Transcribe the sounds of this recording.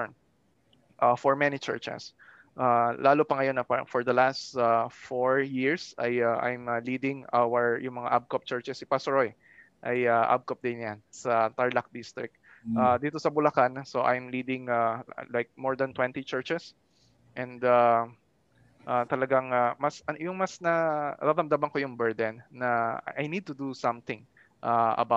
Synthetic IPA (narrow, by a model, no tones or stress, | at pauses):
ʔafɔɹmɛnit͡ʃɛ̰ɹt͡ʃɛ̰s | ʔalʔaːlopɐŋɐjo̞nɐpafɔɹd̪ɐlast̪afoɹjɪɹsɐjaʔa̰jmɐlid̪ɪ̃ŋʔawɛɹjʊŋmɐŋaʔab̚kop̚t͡ʃɛɹt͡ʃɛsɪpasɹoj | ʔɐjaʔa̰b̚kop̚d̪ɪnjansɐt̪aɹlɐk̚d̪ɪst̪ɾɪ̰k̪̚ | ʔad̪iːt̪o̞sɐbʊlɐkansoʔajmliːd̪ɪŋalajk̚moɹd̪ɐnt̪wɛ̃nt̪it͡ʃɛɹt͡ʃɛs | ʔɛ̃nd̪a | ʔat̪ɐlɐɡaŋamɐsɐjʊŋmɐsnɐɾaɾɐmd̪abɐŋkojʊŋbɛɹd̪ɛnːɐʔajnid̪̚t̪ʊd̪usɐ̃mθɪ̃ŋ | ʔaʔɐ̰ba